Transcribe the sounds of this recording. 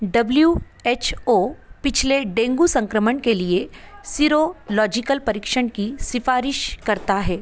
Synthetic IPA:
ɖɐblju | eːt͡ʃʰoːpɪt͡ʃʰleɖẽːŋɡusɐ̃ŋkɾəməɳkeliesiɾolɔːd͡ʒɪkəlpɐɾɪkʃəɽ̃kisɪfaːɾɪʃkɐɾt̪aɦɛː

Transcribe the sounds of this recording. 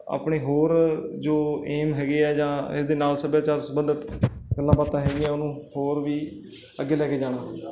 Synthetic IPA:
a̰ːpɳeːɦoːɾd͡ʒoːeːmɦɛːɡeːɛːd͡ʒãːɪ̰sd̪eːnaːlsəbjaːt͡ʃaːɾsəbənd̪ət̪ɡəlːãːbaːt̪ãːɦɛːɡiːɛːʊnũːhoːɾʋiː | əɡeːlɛːkeːd͡ʒaːɽ̃aː

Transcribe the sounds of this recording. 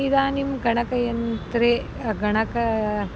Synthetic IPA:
id̪aːnimɡɐɳɐkɐjɐnt̪ɾe | ɡɐɳɐkɐ

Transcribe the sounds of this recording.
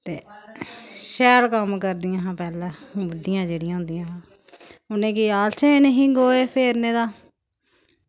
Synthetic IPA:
t̪eː | ʃɛːlkəmkəɾd̪ijãːɦãːpɛːlɛ̃ːʋəɖɪjãːd͡ʒeːɽɪijãːɦʊ̃ːnd̪ijãːɦãː | ʊnẽːkɪjaːlt͡ʃʰeːɪneɦĩːɡoːeːpʰeːɾnẽːd̪aː

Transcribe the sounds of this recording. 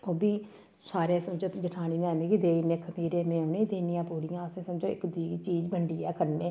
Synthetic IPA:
oːbiː | saːɾẽːsəmd͡ʒõːd͡ʒɪʈʰaːɽ̃iːnɛːmĩːkid̪eːinẽːkʰəmiːɾẽːmẽːoːnẽːd̪eːnijãːpuːɽɪjãːəsẽːsəmd͡ʒõːɪ̰kd̪ʊiːɡiːt͡ʃiːd͡ʒbəɳɖiːɛːkʰəɾneː

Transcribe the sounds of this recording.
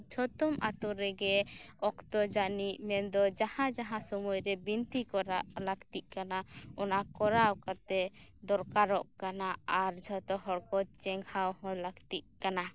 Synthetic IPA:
d͡ʒʰʱɔt̪ɔmʔa̰t̪ɔɾɛɡɛɔkt̪ɔd͡ʒanimɛnd̪ɔd͡ʒahãd͡ʒaɦãsɔmujɾɛbint̪ikɔɾa̰ʔlaɡt̪iʔkanaɔnakɔɾawkat̪ɛd̪ɔɾkaɾɔʔkanaaɾd͡ʒʱɔt̪ɔɦɔɽkɔt͡ʃɛŋɡhawɦɔ̃laɡt̪iʔ̚kana

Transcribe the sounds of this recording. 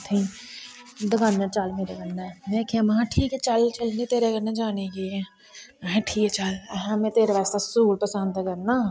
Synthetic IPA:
t̪ʰĩː | d̪əkʰãːnaːt͡ʃəlmeːɾeːkənːɛːmɛ̃ːkʰeãːməɦãːʈʰiːkɛːt͡ʃəlt͡ʃəlniːt̪eːɾeːkənãːd͡ʒaːneːɡeːɛ̃ː | ɦɛ̃ːʈʰiːkɛt͡ʃəlɦɛ̃mɛ̃ːt̪eːɾeːʋɛːst̪aːsuːɾpəsənd̪kəɾnaː

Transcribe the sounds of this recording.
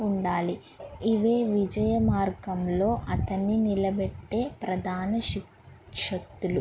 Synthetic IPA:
uɳɖaːli | iʋe̞ːʋid͡ʒɐjɐmaːɾɡɐmlo̞ːʔɐt̪ɐnːinilɐbɛʈːe̞ːpɾɐd̪ʱaːnɐʃi | ʂɐkt̪ːulu

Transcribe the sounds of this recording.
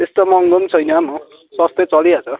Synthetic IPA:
t̪est̪omʌŋɡont͡sʰʌjnʌmʌ | sʌst̪et͡sʌliat͡sʰʌ

